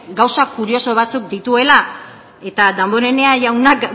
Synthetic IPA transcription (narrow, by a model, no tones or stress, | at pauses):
ɡawsakːuɾio̞so̞β̞at͡suk̚d̪it̪ue̞la | e̞t̪ad̪ambo̞ɾe̞ne̞aʝawnak